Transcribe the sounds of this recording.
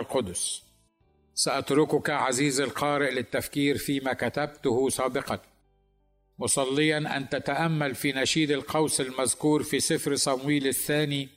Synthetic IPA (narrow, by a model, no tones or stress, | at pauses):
lqʊd̪ʊs | saʔat̪ɾʊkʊkaʕaziːzalqɑːɾɪʔlɪt̪ːafkiːɾfiːmakat̪ab̚t̪ʊhʊsˤaːbɪqɑn | mʊsˤɑlːɪjanʔant̪at̪aʔamːalfiːnaʃiːd̪ɪlqɑwsɪlmazkuːɾfiːsɪfɾsˤɑmwiːlɪθːaːni